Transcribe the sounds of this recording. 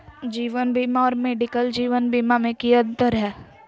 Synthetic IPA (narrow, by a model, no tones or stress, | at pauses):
d͡ʒiːʋənbiːmaɔːɾmeːɖikəld͡ʒiːʋənbiːmamẽkiə̃nt̪əɾɦɛː